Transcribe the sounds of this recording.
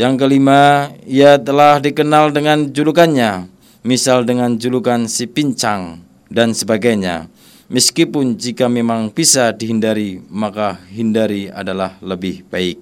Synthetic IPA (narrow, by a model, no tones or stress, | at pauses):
jaŋk̬əlimaiat̪əlahdikənaldəŋand͡ʒulukanɲa | misaldəŋand͡ʒulukansipiɲt͡ʃaŋ | dansəbaɡajɲa̰ | məskipʊnd͡ʒikamemaŋb̥isadiɦindaɾimakaɦindaɾia̰dalahləbɪhb̥aɪk̚